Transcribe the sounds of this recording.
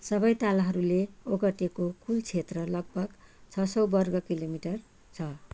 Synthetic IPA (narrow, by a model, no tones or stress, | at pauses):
sʌbʌjt̪alɦʌɾuleoɡʌʈekokʰult͡sʰet̪rʌlʌɡ̚bʱʌɡt͡sʰʌsʌwbʌrɡʌkilomiʈʌr | t͡sʰʌ